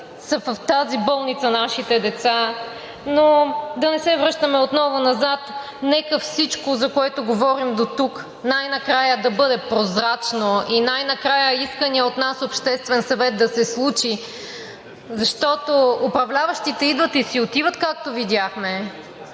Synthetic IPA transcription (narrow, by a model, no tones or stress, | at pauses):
sɐvəft̪azibɔlˠnit̪sɐnaʃit̪ɛd̪ɛt̪sa | nod̪ɐnɛsɛvɾɤʃt̪əmɛot̪nɔvʊnɐzat̪ | nɛkəfsit͡ʃkozɐkoɛt̪oɡovɔɾimd̪ot̪uk | najnɐkɾajəd̪ɐbɤd̪ɛpɾozɾat͡ʃnoinajnɐkɾajəiskəniɛot̪nasopʃt̪ɛst̪vɛnsɐvɛt̪̚d̪ɐsɛslˠut͡ʃi | zɐʃt̪ɔt̪oʊpɾɐvlʲavɐʃt̪it̪ɛid̪vət̪isiot̪ivət̪kak̚t̪ovid̪ʲjaxmɛ